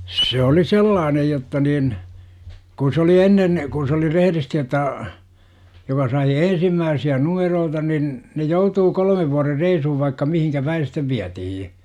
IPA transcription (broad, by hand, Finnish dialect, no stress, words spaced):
se oli selːɑːnej jotːɑ nin kun̞ s oli enːen kun̞ s oli reheristi otˑɑː jokɑ sɑi ensimːæːsiæ numeroːtɑ nin ne joutuː kolə̆meʋ ʋuɑrer reisuhuʋ ʋɑikːɑ mihiŋkæ pæi sitːeʋ ʋiætihij